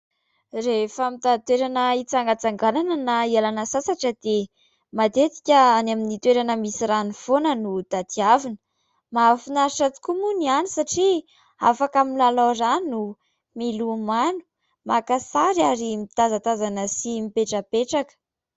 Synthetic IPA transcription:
refəmit̪at̪weɾanəit͡saŋɡat͡saŋɡananənaialanəsasaʈ͡ʂəd̪e | mad̪et̪i̥kʲəanaminit̪weɾanəmisiranifonənud̪̥at̪iavinə̥ | mafinaɾʈ͡ʂat͡s̪u̥kumunianisaʈ͡ʂi | a̰fakamilaloranu | milumanu̥ | makasaɾiaɾimit̪azat̪azanəsimipeʈ͡ʂəpeʈ͡ʂakə̥

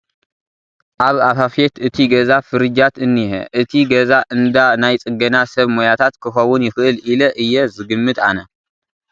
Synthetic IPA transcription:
ʔaβafafet̪ɨt̪ʰiɡɐzafɨɾɨd͡ʒat̪ɨnːiɦḛʔɨt̪ʰiɡɐzaʔɨnd̪anajt͡sʼɨɡɐnasɐβmojat̪ʰat̪kʰɨxɐwʊnjɪxɨʔɨlilɐʔɨjːɛzɨɡɨmːɨt̪anɐ

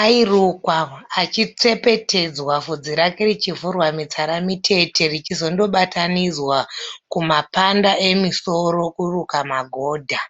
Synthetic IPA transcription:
airukwaːt͡ʃit͡se̞pe̞tʰe̞d͡zwavud͡ziɾakerit͡ʃivurwamit͡saɾamitʰe̞tʰe̞rit͡ʃizo̞ndo̞ɓatanid͡zwakumapandaʔe̞miso̞ro̞kurukamaɡʱo̞ːdʱa

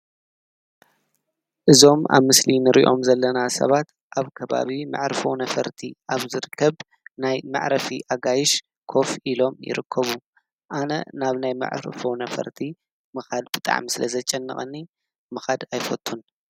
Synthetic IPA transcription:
ʔɨzo̞ma̰βmɨslinɨɾḭʔo̞̰mzɐlːɐnasɐ̰βat̪ | ʔaβkʰɐβa̰βima̰ʕɾfownɐfɐ̰ɾt̪ʰiʔaβzɨɾɨkʰːɐβ | najmɨ̰ʕɾɐfiʔaɡajɪʃ | kʰo̞fʔilo̞mjɪ̰ɾɨkʰːɐβu | ʔanɐ̰naβnajma̰ʕɾfonɐfɐ̰ɾt̪ʰi | mɨxad̪bɨt̪ʼa̰ʕmisɨlɐzɐt͡ʃʼɐnːɐ̰χʼɐnːi | mɨxad̪ajfɐt̪ʼʰːun

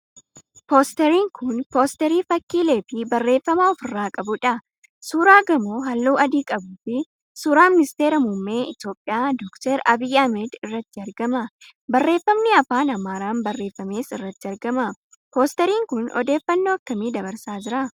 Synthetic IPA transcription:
po̞ːst̪ɛɾiːŋkʊnpo̞ːst̪ɛɾiːfɐkːiːle̞ːfɪbɐrːe̞ːfːɐmɐɔfɪrːaːkʼɐbʊᶑɐ | suːɾaːɡɐmoːɦɐlːuːʔɐd̪iːkʼɐbuːfɪ | suːɾaːmɪnɪst̪e̞ːɾɐmʊmːeːɪt̪joːpʼːɪjaːd̪ɔkt̪ɛɾɐbiːjɐmɛd̪ɪrːɐt̪ːɪɐɾɡɐmɐ | bɐrːe̞ːfːɐmnɪɐfaːnɐmaːɾaːmbɐrːe̞ːfːɐme̞ːsɪrːɐt̪ːɪɐɾɡɐmɐ | po̞ːst̪ɛɾiːŋkʊnɔ̰d̪e̞ːfːɐnːo̞ːɐkːɐmiːd̪ɐbɐɾsaːd͡ʒɪɾɐ

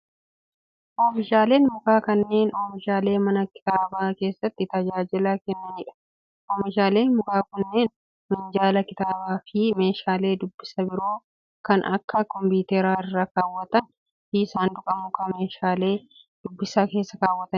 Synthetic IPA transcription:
ʔoːfɪʃaːle̞ːnmʊkaːkɐnːe̞ːnoːfɪʃaːle̞ːmɐnɐkɪ̥t̪aːbaːke̞ːsːɐt̪ːɪt̪ɐd͡ʒaːd͡ʒɪlaːkɛnːɐnɪᶑɐ̥ | ʔoːmɪʃaːle̞ːmʊkaːkʊnːe̞ːn | mɪnd͡ʒaːlɐkɪt̪aːbaːfɪme̞ːʃaːle̞ːd̪ʊbːɪsɐbɪɾo̞ː | kɐnʔɐ̰kːɐkɔmbiːt̪eːɾaːɪrːɐkaːwːɐt̪ɐn | ʔiːsaːnd̪ʊkʼɐmʊkɐme̞ːʃaːle̞ː | d̪̥ʊbːɪsaːke̞ːsːɐkaːwːɐt̪ɐn

